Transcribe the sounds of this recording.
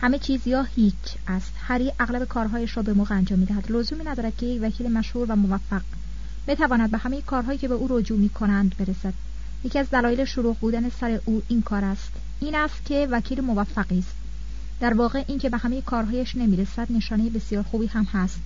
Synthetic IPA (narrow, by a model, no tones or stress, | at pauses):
hæme̞t͡ʃʰiːzjɒːhicʰ | æst̪hæɾiʔæɣlæbe̞kʰɒːɾɦɒːjæʃɾɒːbe̞moːɣeænd͡ʒɒːmːid̪æɦæd̪lozuːmiːnæd̪ɒːɾæd̪̥̚cʰejecvæcʰiːlimæʃhuːɾvæmo̞væfːæɡ | bit̪ʰævɒːnæd̪̚behæmejekʰɒːɾɦɒːjiːcʰebeʔuːɾod͡ʒuːmiːkʰo̞nænd̪be̞ɾesæd̪̥ | jecʰiæzd̪ælɒːjeleʃoɾuːɣbuːd̪ænesæɾe̞ʔuːʔiːnkʰɒːɾæst̪ | iːnæst̪cʰe̞væcʰiːlimo̞væfːæɢiːst̪ | d̪æɾvɒːɣeʔiːncʰe̞behæme̞jekʰɒːɾɦɒːjæʃnemiːɾesæd̪ne̞ʃɒːnejebe̞sijɒːɾxuːbiːhæmhæst̪